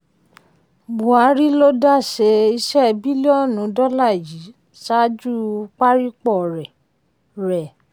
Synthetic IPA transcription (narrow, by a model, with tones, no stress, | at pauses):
bũ˨a˨˦ɾi˦lo˦da˦˨ʃe˧˦i˧ʃɛ˦˨bi˦li˦ɔ˦˨nũ˨˦dɔ˦la˦˨ji˨˦ | sa˦d͡ʒu˦˧k͡pa˦ɾi˦k͡pɔ˦˨ɾɛ˨ | ɾɛ˨